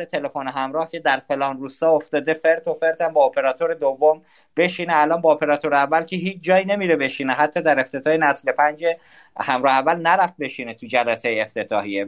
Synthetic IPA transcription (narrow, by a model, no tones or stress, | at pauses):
et̪ʰe̞le̞foneɦæmɾɒːhcʰe̞d̪æɾfe̞lɒːnruːst̪ɒːoft̪ɒːd̪e̞fe̞ɾt̪ʰo̞fe̞ɾt̪ʰæmbɒːpʰe̞ɾɒːt̪ʰo̞ɾed̪ovːom | b̥e̞ʃiːneælɒːnbɒːpʰe̞ɾɒːt̪ʰo̞ɾeævːælcʰeɦiːt͡ʃʰd͡ʒɒːjine̞miɾebe̞ʃiːneɦæt̪ʰːɒːd̪æɾe̞ft̪e̞t̪ʰɒːhenæsle̞pʰænd͡ʒe | hæmɾɒːheævːælnæɾæft̪̚be̞ʃinet̪ʰud͡ʒælæsejeeft̪ʰe̞t̪ʰɒːhie